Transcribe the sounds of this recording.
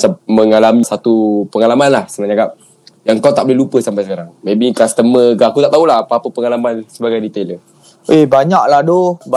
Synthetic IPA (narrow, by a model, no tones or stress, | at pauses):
saməŋalamisat̪upəŋalamanlahsənaɲakap̚ | jaŋkawt̪aʔ̚bəleɦlupəsampajsəkaɾaŋmẽbikast̪əməɡaakut̪aʔt̪aulaɦapaːpəpəŋalamansəbaɡajdit̪elə | ʔebaɲak̚lahdob